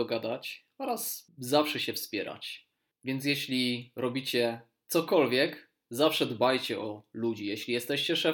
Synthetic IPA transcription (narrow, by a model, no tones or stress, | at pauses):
ɔɡad̪at͡ɕ | ɔɾaszafʂɛɕɛfspʲjɛɾa̰t͡ɕ | vʲjɛnt̪s̬ʲjɛɕlʲiɾɔbʲit͡ɕɛ | t̪sɔkɔlvʲjɛk | zafʂɛd̪bajt͡ɕɛʔɔlud͡ʑijɛɕlʲijɛst̪ɛɕt͡ɕɛʂɛ